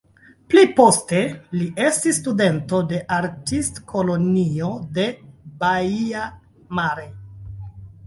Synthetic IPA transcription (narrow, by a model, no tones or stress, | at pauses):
plipo̞ste̞liʔe̞stisːtude̞nto̞de̞ʔaɾtistkʰolo̞niode̞baia | maɾe